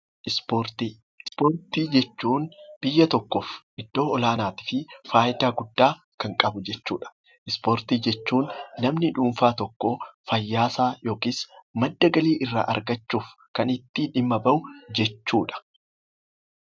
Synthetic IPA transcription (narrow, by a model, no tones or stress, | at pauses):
ʔɪspoɾt̪i | spoːɾt̪iːd͡ʒɛt͡ʃːuːnb̥ɪjːɐt̪ɔkːofʔɪd̪̥ːo̞ːɔlaːnaːt̪ɪ̥fɪfaːjɪd̪aːɡʊd̪ːaː | kɐŋkʼɐbʊd͡ʒɛt͡ʃːuːᶑɐ̥ | ʔɪspoːɾt̪iːd͡ʒɛt͡ʃːuːnːɐmnɪᶑuːɱfaːt̪ɔkːofɐjːaːsaːjo̞ːkiːsmɐd̪ːɐɡɐliːʔɪrːa̰ːʔɐ̰ɾɡɐt͡ʃːuːfkɐnɪt̪ːiᶑɪmːɐbɐʔʊd͡ʒɛt͡ʃːuːᶑɐ̥